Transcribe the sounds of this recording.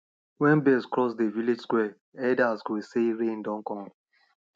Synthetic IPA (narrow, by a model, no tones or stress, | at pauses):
wɛ̃nbɛskɹɔsdeviled͡ʒskwɛ | ɛdasɡeseɾẽn̩dɔ̃ŋkɔ̃ŋ